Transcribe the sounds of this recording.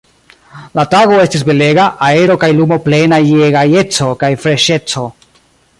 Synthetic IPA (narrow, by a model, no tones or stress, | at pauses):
lataɡo̞e̞stisbe̞le̞ɡaʔae̞ɾo̞kajlumo̞ple̞najeɡajet͡so̞kajfɾe̞ʃe̞t͡so̞